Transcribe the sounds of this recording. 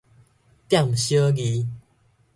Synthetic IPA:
t̪ja˥˨ŋɕjə˦ɡi˧

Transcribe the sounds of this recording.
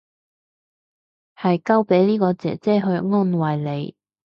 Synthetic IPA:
hɐ˨jkɐ˥wpe˨˥jliː˥kɔː˧t͡sɛ̰ː˨˩t͡sɛː˥ɦɵ˧ɥŋɔː˥nwɐ˨jle˨˧j

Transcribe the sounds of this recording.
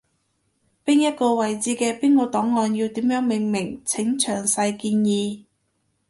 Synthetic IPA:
piː˥njɐ˥t̚kɔː˧wɐ˨jt͡siː˨˥˩kɛː˧piː˥nkɔː˧t̪ɔː˨˥ŋːɔː˧nji˧wt̪iː˨˥mjœː˨˥ŋmɪ˨ŋmɪ˨˩ŋt͡sʰɪ˨˥ŋt͡ʃʰœː˨˩ŋsɐ˧jkiː˧njiː˨˧

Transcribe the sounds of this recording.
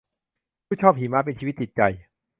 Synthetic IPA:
pʰuː˥˩t͡ɕʰɔː˥˩p̚ɦiː˩˦maː˦˥p̬e˧nt͡ɕʰiː˧˦˥t̪̚ːt͡ɕi˨˩t̪̚t͡ɕa˧j

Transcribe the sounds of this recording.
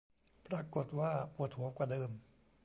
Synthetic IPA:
pɾaː˧ko˨˩t̪̚waː˥˩pu˨˩ət̪̚hu˩˦kwaː˨˩dɤː˧m

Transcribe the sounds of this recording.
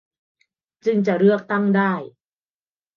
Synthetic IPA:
t͡ɕɯ˧ŋt͡ɕa˨˧˩ʔɾɯ˥˩ək̚t̪a˥˩ŋdaː˥˩j

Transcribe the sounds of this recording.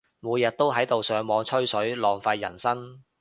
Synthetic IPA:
muː˨˧jɐ˨t̚t̪o˥wɦɐ˨˥jt̪o˨wsœː˨˧ŋmɔː˨˧ŋt͡ʃʰɵ˥ɥsɵ˨˥ɥlɔː˨˩ŋfa˧jːɐ̰˨˩nsɐ˥ŋ

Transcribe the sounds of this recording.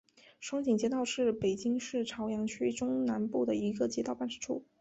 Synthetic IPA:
ʂɑ˥ŋt͡ɕi˨˩ŋt͡ɕjɛ˥t̪ɑ˥˧ʊʂɻ̩˥˩pe˨˩ɪt͡ɕi˥ŋʂɻ̩˥˩ʈ͡ʂʰɑ˧˥ʊjɑ˧˥ŋt͡ɕʰy˥ʈ͡ʂʊ˥ŋna˧˥npu˥˩d̪ə˩i˧˥ɡə˧t͡ɕjɛ˥t̪ɑ˥˧ʊpa˥˩nʈ͡ʂɻ̩˥ʈ͡ʂʰṵ˥˩

